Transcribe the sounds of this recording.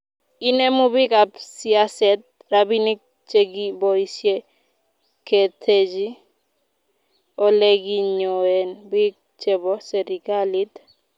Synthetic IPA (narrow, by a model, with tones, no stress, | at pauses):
i˦ne˦mʊ˦bɪ˦ka˨psi˦a˦sɛt̪̚ | ɾabi˦ni˦k̚ | t͡ʃe˦ɡi˦bɔ˨isje˦ | ke˨t̪ʰe˨d͡ʒi˦ | ɔ˦le˦ɡi˦ɲo˨e˨nbɪ˦ | t͡ʃe˦bɔ˦se˨ɾi˨ka˦li˦t̪